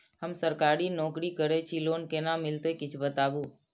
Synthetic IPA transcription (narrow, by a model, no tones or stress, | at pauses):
ɦəmsəɾkaɾinɔkɾikəɾet͡ʃʰilonkenamɪlt̪ekɪt͡ʃʰbət̪aʋũ